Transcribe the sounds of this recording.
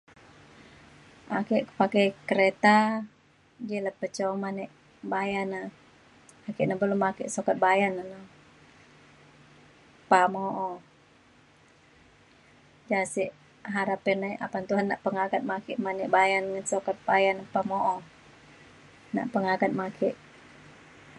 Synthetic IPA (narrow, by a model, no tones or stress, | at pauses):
ʔakɛʔkə̥pakɛjkəɾet̪a | d͡ʒɛləpət͡ʃɔmanɛʔ | bajana | akɛʔnabəlʊmakɛʔsokat̪̚bajanana | pamoʔɔ | d͡ʒasiʔ | ɦaɾapɛnaiʔa̰pant̪uɦanːaʔpəŋakat̪̚makɛʔmanɛʔbajanŋənsokat̪̚bajanapamoʔɔ | na̰ʔpəŋakat̪̚makʰɛʔ